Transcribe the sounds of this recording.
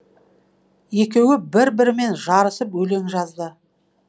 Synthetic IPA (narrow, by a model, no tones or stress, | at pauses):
je̞kʲe̞wɪbɪɾbɪɾɪme̞nʒɑɾəsəpɵle̞ŋʒɑzd̪ə